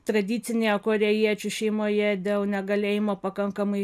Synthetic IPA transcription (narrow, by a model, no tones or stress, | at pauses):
t̪ɾɐd̪ʲiːt̪ʲɪnʲejokoːɾʲejiɛt͡ʃʲʊʃʲɛɪmoːjɛd̪ʲeːlˠnʲɛɡɐlʲeːjɪmoːpɐkɐŋkɐmɐɪ